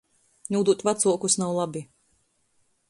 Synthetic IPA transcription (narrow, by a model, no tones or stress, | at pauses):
nʲuːd̪uɔt̪ʲvat̪suɔkusnawlˠabi